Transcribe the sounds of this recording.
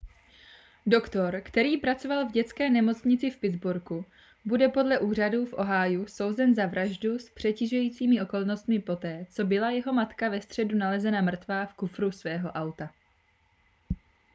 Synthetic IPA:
do̞kt̪o̞ɾkt̪ɛɾiːpɾat͡so̞valvɟɛt͡skɛːnɛmo̞t͡sɲɪt͡sɪfpɪdd͡zbuɾku | budɛpo̞dlɛʔuːr̝aduːfʔo̞ɦajuso̞wzɛnzavɾʔaʒduspr̝̥ɛciʒujiːt͡siːmɪʔo̞ko̞lno̞st̪mɪpo̞t̪ɛːt͡so̞bɪlajɛɦo̞mat̪kavɛst̪r̝̥ɛdunalɛzɛnamr̩t̪vaːfkufɾusvɛːɦo̞ʔawt̪a

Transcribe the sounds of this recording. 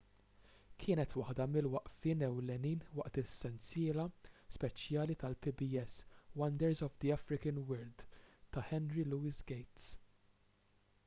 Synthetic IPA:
kʰɪːnɛt̪wɐħd̪ɐmɪlwɐʔfɪːnɛwlɛniːnwɐʔt̪ɪsːɛnt͡sjɪːlɐspɛt͡ʃjɐːlit̪ɐlpibiɛswɐnd̪ɛɾzɔvd̪iɐfɾɪkənwɛld̪t̪ɐħɛnɾiluːisɡejt̪s

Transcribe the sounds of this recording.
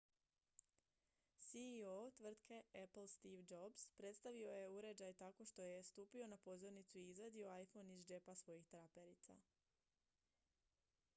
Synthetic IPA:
siot̪ʋr̩t̪kʰe̞epl̩st̪iʋd͡ʒo̞bspɾe̞t̪st̪aʋio̞je̞uɾe̞d͡ʑajt̪ako̞ʃt̪o̞je̞st̪uːpio̞napo̞zo̞ɾnit̪suiizad̪io̞ajfo̞nizd͡ʒe̞pasʋo̞jixt̪ɾape̞ɾit̪sa̰

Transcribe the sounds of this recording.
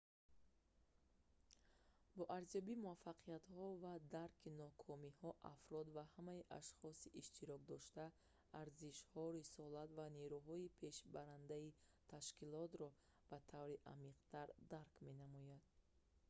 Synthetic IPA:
bɔʔaɾzijɔbimuafːaqʰijat̪hɔvad̪aɾkʰinɔkʰɔmihɔʔa̰fɾɔd̪vahamaiʔaʃχɔsiʔiʃt̪iɾɔk̚d̪ɔʃt̪aː | ɾziʃhɔɾisɔlat̪vaneɾuɦɔipʰe̞ʃbaɾand̪ai | t̪ʰaʃkilɔt̪ɾɔ | b̥at̪ʰavɾiʔa̰miqt̪ʰaɾd̪aɾkme̞namɔjad̪̥̚

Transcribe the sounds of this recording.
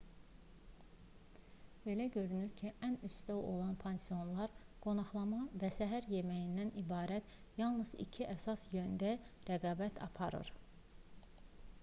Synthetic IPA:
b̥e̞læɟø̞ɾynyɾcʰiʔænyst̪æo̞lˠɑnpʰensio̞nlˠɑɾɡ̥o̞nɑχlˠɑmɑvæsæɦæɾje̞mæjind̪ænibɑːɾæt̪ | jɑlˠnɯz̥ḭcʰiʔæsɑsjønd̪æɾæɡɑːbæt̪ʰɑ̰pʰɑɾɯ̰ɾ̥

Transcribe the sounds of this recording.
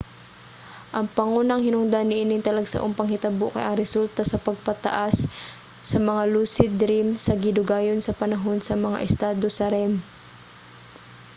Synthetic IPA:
ʔɐŋpɐŋunaŋhɪnʊŋd̪anːɪʔinɪnt̪ɐlɐɡsa̰ʔʊŋpɐŋhɪt̪ɐboʔkɐ̰jʔɐŋɾɛsult̪asɐpɐɡ̚pɐt̪ɐ̰ʔasː | ɐmɐŋaluːsɪd̪ɾimsɐɡɪd̪ʊɡaːjonsɐpɐnɐɦo̞nsɐmɐŋa̰ʔɛst̪aːd̪osɐɾɛm

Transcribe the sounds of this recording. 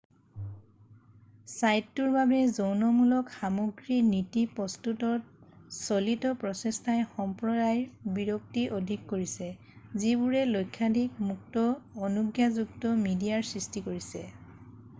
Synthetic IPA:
sajtːuɹbabɛzownɔmulɔkxamoɡɹinitipɔstutɔt̚solitɔpɹɔsestʰajxɔmpɹɔdajbiɹɔk̚tiʔodʱikːoɹisɛ | zibuɹɛlojkʰːadʱik̚muktɔːnuɡjazuktɔmidijaɹsɹistikoɹisɛ̰

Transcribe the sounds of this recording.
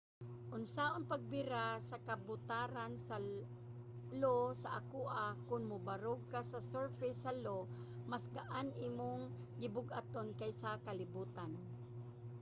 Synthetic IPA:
ʔʊnsaʔonpɐɡ̚bɪɾasakabʊt̪aɾansa | losaʔakuʔakʊnmʊbaɾoɡ̚kasɐsɛɹfɛjsɐlo | masɡaʔanʔiːmoŋ | ɡɪbʊɡat̪onkajsakɐlɪbuːt̪an

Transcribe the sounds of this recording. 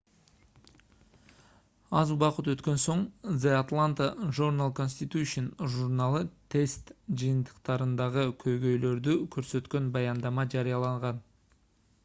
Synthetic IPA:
ɑzubɑqət̪wøt̪kø̞nso̞ɴzeat̪lˠant̪əʒurnalˠko̞nsʲt̪ʲit̪uʃinʒurnalˠət̪ʰe̞st̪d͡ʒɨjɨnt̪ə̥qt̪ɑɾɯnd̪ɑʁəkʲʰø̞jɡø̞jlø̞ɾd̪ykʰøɾsø̞t̪kø̞nbɑjɑnd̪ɑmɑd͡ʒɑɾijɑlˠɑɴʁɑn

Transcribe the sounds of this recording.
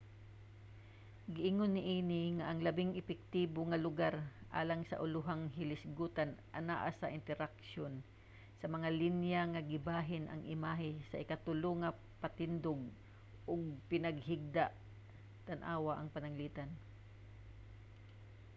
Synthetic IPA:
ɡɪʔɪŋonːɪʔiːnɪŋaʔɐŋlɐbɪŋɪpɛk̚t̪iːboŋɐlʊɡaɾʔa̰ːlaŋsɐ̰ʔʊlʊɦaŋɦɪlɪsɡuːt̪anʔɐ̰naːʔasɐʔɪnt̪ɛɾakʃon | sɐmɐŋalinjaŋɐɡɪbaːɦɪnʔɐ̰ŋʔɪmaːɦɪsɐʔɪkat̪ʊloŋɐ | pat̪ɪnd̪oɡ̚ | ʔʊɡ̚pɪnɐɡ̚hɪɡ̚d̪aʔ | t̪anʔaːwaʔɐŋpɐnɐŋliːt̪an

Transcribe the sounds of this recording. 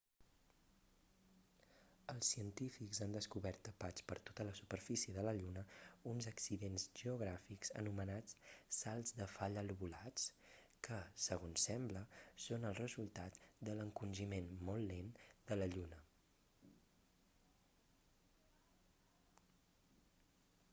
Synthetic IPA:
əlˠsːiənt̪ifikzand̪əskuβɛɾt̪əpat͡spəɾt̪o̥t̪ələsupəɾfisiəðələʎunəunzəksiðenzʒəuɣ̞ɾafikz̥ə̰numənat͡ssalˠzðəfaʎəluβulat͡s | kəsəɣ̞onsɛmbləsonəlˠrəzulˠt̪at̪d̪ələŋkunʲʒimenmɔlˠːend̪̥ələʎunə

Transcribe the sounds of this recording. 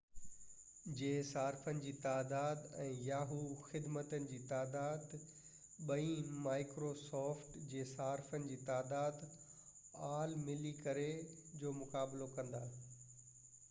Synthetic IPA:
d͡ʑeːsaːɾfənɪ̆d͡ʑiːt̪aːd̪aːd̪ɛ̃ːjaːɦuxɪd̪mət̪ənɪ̆d͡ʑiːt̪aːd̪aːd̪ | ɓɐĩmaːɪkɾosɔːfʈd͡ʑeːsaːɾfənɪ̆d͡ʑiːt̪aːd̪aːd̪ | aːlmɪlikɐɾed͡ʑoːmʊkaːblokɐ̃nd̪aː

